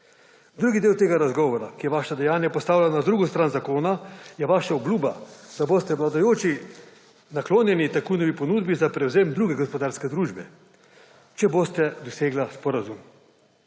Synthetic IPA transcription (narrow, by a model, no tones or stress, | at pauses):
d̪ɾuːɡid̪eːwt̪eːɡaɾazɡɔːʋɔɾakijɛʋaːʃad̪ɛjaːnjapɔst̪aːwlʲanad̪ɾuːɡɔst̪ɾaːnzakoːnajɛʋaːʃaubluːbad̪̥aboːst̪ɛʋlad̪ajoːt͡ʃi | nakloːnjɛnit̪akujnɔʋipɔnuːd̪bizapɾɛwzeːmd̪ɾuːɡɛɡɔspɔd̪aːɾskɛd̪ɾuːʒbɛ | t͡ʃɛbost̪ɛd̪ɔseːɡlaspɔɾazum